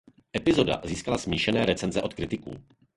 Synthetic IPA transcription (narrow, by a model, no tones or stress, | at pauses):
ʔɛpɪzoda̰ziːskalasmiːʃɛnɛːɾɛt͡sɛnzɛʔo̞t̪kɾɪt̪ɪkṵː